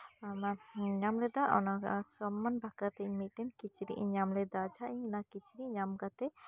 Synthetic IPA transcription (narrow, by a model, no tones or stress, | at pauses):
amaɲamlɛd̪aʔɔ̰nasɔmːɐnbʱakat̪emiʈenkit͡ʃʰɾḭʔɲamled̪ad͡ʒʱaĩnakit͡ʃʰɾiɲamɡat̪e